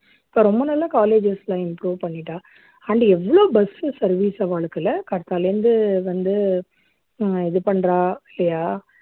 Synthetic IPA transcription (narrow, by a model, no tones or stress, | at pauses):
ɪpːoːɾɔmbɐnɐlːakaːleːd͡ʒɪslãːɪmpɾuːʋpɐɳːɪʈːãː | ɐɳɖɛʋːɐɭoːbɐsɯsɐɾʋiːsɐʋaːɭɯkːɪlɐkɐɽɐt̪ːaːlɾɯnd̪ɯʋɐnd̪ɯ | ɪðɯpɐɳːɾãːɪlːɐjaː